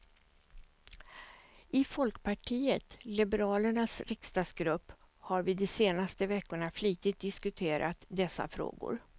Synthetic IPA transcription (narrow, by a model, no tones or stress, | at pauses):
ʔɪfɔlkpʰaʈʰiːət̪lɪbəɾɑːləɳasɾɪkst̪ɑsɡɾɵpː | haɾvɪd̪ɛseːnast̪əvɛkːʊɳaflyːt̪ɪt̪̚d̪ɪskɵt̪ʰeːɾʔa̰t̪d̪ɛsːa̰fɾo̰ːɡʊ̰ɾ